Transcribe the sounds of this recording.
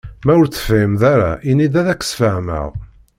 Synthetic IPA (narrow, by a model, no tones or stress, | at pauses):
mæʊɾt͡sːə̥fɪmðæɾa̰ʔinid̪æðækːə̥sfəʕmə̰ʁ